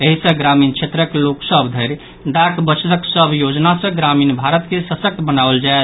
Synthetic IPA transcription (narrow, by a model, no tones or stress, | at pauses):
eɦisə̃ɡɾamint͡ʃʰet̪ɾəkloksəbd̪ʱəɾ | ɖakbət͡ʃʰləksəbʱjod͡ʒnasə̃ɡɾaminbʱaɾət̪kesəsək̚t̪bənabəld͡ʒae